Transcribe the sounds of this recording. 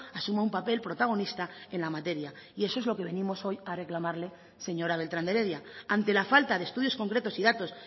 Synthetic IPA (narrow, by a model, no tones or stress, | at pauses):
asumaumpape̞lpɾo̞t̪aɣ̞o̞nist̪ae̞nlamat̪e̞ɾjaie̞so̞ezlo̞ke̞β̞e̞nĩmo̞so̞jare̞klamaɾle̞ | se̞ɲo̞ɾaβ̞e̞lt̪ɾand̪e̞ɾe̞ðjaant̪e̞lafalt̪aðest̪uðjo̞sko̞ŋkɾe̞t̪o̞siðat̪o̞s